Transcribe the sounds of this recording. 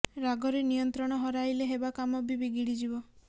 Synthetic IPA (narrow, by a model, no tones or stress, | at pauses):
ɾaɡɔɾenijɔnt̪ɾɔɽ̃ɔɦɔɾajleɦebakamɔbibiɡiɽid͡ʒibɔ